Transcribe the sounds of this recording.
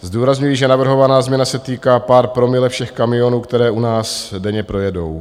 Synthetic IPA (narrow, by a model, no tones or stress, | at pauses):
zduːɾazɲujiʒɛnavr̩ɦo̞vanaːzmɲɛnasɛt̪iːkaːpaːɾpɾo̞mɪlɛfʃɛxkamɪjo̞nuːkt̪ɛɾɛːʔunaːsdɛɲɛpɾo̞jɛdo̞̰w